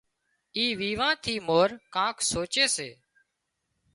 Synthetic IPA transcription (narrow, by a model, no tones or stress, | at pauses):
iːʋiːʋãːt̪ʰiːmoːɾkãːkʰsoːt͡ʃeːsḛː